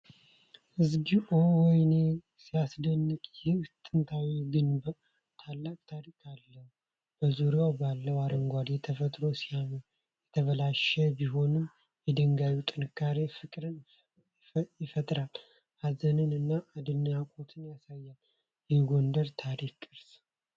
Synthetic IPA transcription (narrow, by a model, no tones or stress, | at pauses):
ʔɨzɡiʔowɔjne | sijasd̪ənːɨkʼjɪt̪ʼɨnt̪ʰawiɡɨnbə | t̪ʰalːak̚ʼt̪ʰaɾikʰʼalːə | b̥əzuɾjawbalːəwaɾəŋɡʷad̪jɛt̪ʰəfət̪ʼɾo̞sijam | jɛt̪ʰəβəlaʃəbiɦo̞nɨm | jɛd̪əŋɡawut̪ʼɨnɨkʰːaɾefɨkʼɾɨn | jɪfət̪ʼɾal | hazənɨnɨnːaʔːd̪ɨnakʼo̞t̪ʰɨnjasajːal | jɛɡo̞nd̪əɾt̪ʰaɾikʼːɨɾs